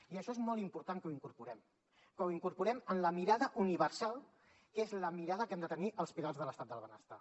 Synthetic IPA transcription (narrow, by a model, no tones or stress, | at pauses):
iəʃɔezmɔlˠimpuɾt̪aŋkəuiŋkuɾpuɾɛm | kəuiŋkuɾpuɾɛmənləmiɾaðəʔuniβəɾsalˠ | kezləmiɾaðəkɛmd̪ət̪əniʔəlˠspiɾalˠzðələst̪at̪̚d̪əlˠβənə̰st̪a̰